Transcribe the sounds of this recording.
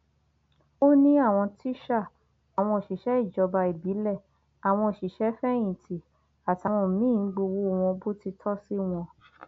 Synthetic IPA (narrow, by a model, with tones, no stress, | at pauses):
o˦nĩ˦a˦˨w̃ɔ̃˧ti˦ʃa˦˨ | a˨w̃ɔ̃˧o˨ʃi˨ʃɛ˨˦i˦˨d͡ʒɔ˨˧ba˧i˨bi˨˦lɛ˦˨ | a˨w̃ɔ̃˧o˨ʃi˨ʃɛ˨˦fɛ˦j̃ĩ˨tʰi˨ | a˨ta˨˧w̃ɔ̃˧˨mĩ˦˨˦ɡ͡bo˧wo˦˨w̃ɔ̃˧bo˦ti˧tʰɔ˦si˦w̃ɔ̃˧